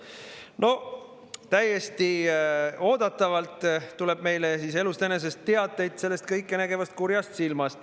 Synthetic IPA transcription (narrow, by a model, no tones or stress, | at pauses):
no̞ | t̪æjːe̞st̪i | o̞ːd̪̥ɑt̪ːˑɑvɑlt̪ːˑtːule̞b̥̚me̞jlesiːs̬e̞lust̪ene̞s̬e̞st̪ːeɑd̪ːˑe̞jd̪̥se̞lːe̞st̪̚kɤjkˑːenæɡe̞vɑst̪̚kuɾjɑst̪silmɑst̪